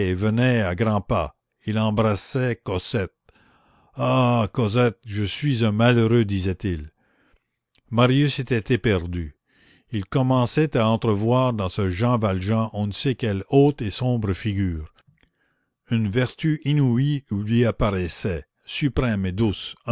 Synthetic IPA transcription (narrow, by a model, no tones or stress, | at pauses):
vənɛaɡʁɑ̃pa | ilɑ̃bʁasɛkɔzɛt̪̚ | akɔzɛt̪̚ʒəsɥizɛ̃maløʁød̪izɛt̪il | maʁjyset̪ɛt̪ɛpɛʁd̪y | ilkɔmɑ̃sɛt̪aɑ̃t̪ʁəvwaːʁd̪ɑ̃səʒɑ̃valʒɑ̃ʔɔ̃nsekɛloːt̪esɔ̃bʁəfiɡʲyːʁ | ynvɛʁt̪yʔinuiulɥiapaʁɛsɛ | sypʁɛmed̪us